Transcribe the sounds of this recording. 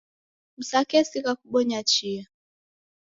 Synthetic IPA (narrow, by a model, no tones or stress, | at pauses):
m̩sakɛsikakuɓɔɲat͡ʃia